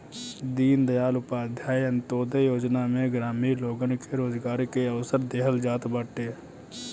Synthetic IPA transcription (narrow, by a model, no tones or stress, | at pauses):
d̪iːnd̪əjaːlʊpaːd̪ʱjaːjɐnt̪oːd̪ejoːd͡ʒnamẽɡɾaːmiloːɡənkeɾoːzɡaːɾkeɐwsəɾd̪eːɦəld͡ʒaːt̪bəʈeː